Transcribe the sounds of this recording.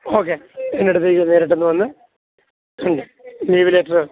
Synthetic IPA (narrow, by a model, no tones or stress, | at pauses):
oːk̬ːeenːeɽut̪ːeneːɾeʈ̬ːenːɨʋɐnːɨ | ɐɳɖɨ | liːʋileːʈrɨ